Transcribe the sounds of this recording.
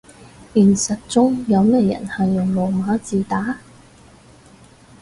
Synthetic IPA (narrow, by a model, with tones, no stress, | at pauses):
iː˨˩nsɐ˨t̚t͡sʊ˥ŋjɐ˨˧wmɛː˥jɐ̰˨˩nhɐ˨jːʊ˨˩ŋlo˨˩wmaː˨˥t͡siː˨t̪aː˨˥